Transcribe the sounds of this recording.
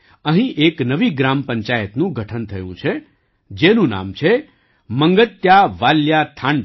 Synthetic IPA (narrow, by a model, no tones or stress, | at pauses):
ə̃ɦĩʔeknəʋiɡɾampəɲt͡ʃajət̪nũɡʱəʈʰənt̪ʰəjṵ̃t͡ʃʰe | d͡ʒenũna̰mt͡ʃʰe | məŋɡət̪jaʋaljat̪ʰãɳ